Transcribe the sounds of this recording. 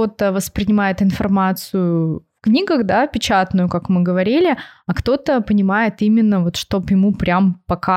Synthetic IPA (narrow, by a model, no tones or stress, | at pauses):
o̞t̪əvəspɾʲɪnʲɪmajɪt̪ɨn̪fɐrmat̪sɨjʊfknʲiɡəɣd̪apʲɪt͡ɕat̪nʊjʊkakmɨɡəvɐɾʲilʲɪɐkt̪o̞t̪əpənʲɪmajɪt̪imʲɪnːəvo̞t̪ʂt̪o̞pjɪmupɾʲampɐka